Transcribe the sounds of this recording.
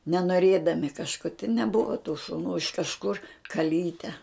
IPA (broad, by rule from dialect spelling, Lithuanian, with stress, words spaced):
nʲɛnoːˈrʲeːdɐmʲɪ kɐʃˈkoː tʲɪ nʲɛˈbʊʋɐ tuː ʃʊˈnuː ɪʃ kɐʃˈkʊr kɐˈlʲiːtʲɛ